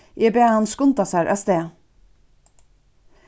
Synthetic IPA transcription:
ʔeːbeːæɑnskʊnt̪ɑsæɹʔœst̪eː

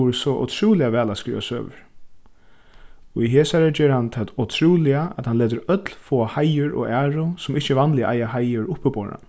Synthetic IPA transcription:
ɾəsɔʔɔ̰t̪ʰɾuːlɪaʋɛːlaskɾḭːʋa̰sø̰ːʋə̰ɾ | ɔiɦeːsaɾəd͡ʒeːɾhant̪ʰat̪ɔt̪ʰɾuːlɪaʔɛt̪hanleːt̪̬əɾœt̪lfoːahajʏɹɔ̰æːɹʊsʊmɪht͡ʃəvanlɪʔa̰jahajʊɹʊhpːəboːɾa̰

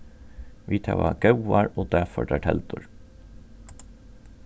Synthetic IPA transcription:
ʋiːt̪ʰɑ̰ʋɑ̰ɡ̥ɑʉʋɑɹoːd̪æfɔɖæːʈʰɛld̪ʊɹ

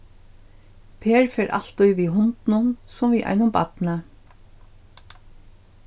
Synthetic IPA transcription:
pʰeːɹfɛːɹʔa̰l̥t̪ujʋiɦʊnt̪nʊnsʊmviʔa̰jnʊmba̰t̪na

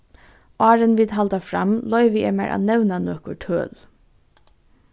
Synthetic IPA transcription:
ʔɑːɾənʋiːd̪ɦalt̪afɾamlɔʏʋɪɛːmæɹʔa̰ːnɛwnanœːkʊʈʰø̰ːl

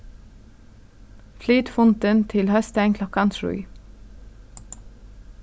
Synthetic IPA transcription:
flyːt̪fʊnt̪ənt̪ʰɪlhœst̪æɪŋkʰlɔkɑnsɹʉ̰ʏ

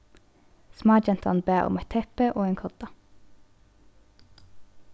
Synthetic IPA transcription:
smɑːd͡ʒɛnt̪ɑ̰nbæːʔʊ̰mɛt̪ʰɛpəʔoːeːŋkʰɔt̪ɑ

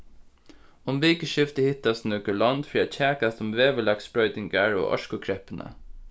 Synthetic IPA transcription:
ʊmʋiːkəʃɪft̪əhɪt̪ast̪nœkəɭɔnt̪fɹiːat͡ɕʰæːkast̪ʊmʋeːʋəɭɑksbɹœʏt̪ɪŋɡaɹo̰ːʔɔ̰ʃkʊkʰɾɛpənə̰

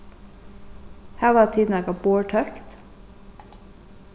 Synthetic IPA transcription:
hæːʋɑːt̪ʰiːd̪n̩ɛːɡɑboːʈʰœkt̪

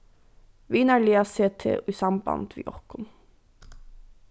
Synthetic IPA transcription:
ʋiːnæɹleːɑseːt̪ʰḛːoisɑmbɑ̰nd̪ʋḭːʔɔkʊn

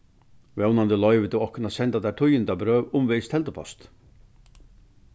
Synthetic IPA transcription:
vɛwnand̪əlɔʏʋɪt̪ʰɪwɔhkʊnasɛnt̪at̪aʈ̪ʰʊjɪnt̪abɾœːʋʊmvɛːst̪ʰɛlt̪əpʰɔ̰st̪

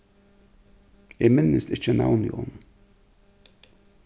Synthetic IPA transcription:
jemɪnːəst̪ɪt͡ʃəna̰wnḭʔɔ̰n

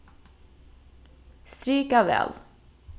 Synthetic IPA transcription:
st̪ɾyːkavɛ̰ːl

